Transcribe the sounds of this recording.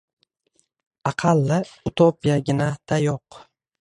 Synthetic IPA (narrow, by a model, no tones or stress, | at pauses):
ɑqʰɑlːɪʊt̪ʰopijaɡʲɪnad̪̥ajoq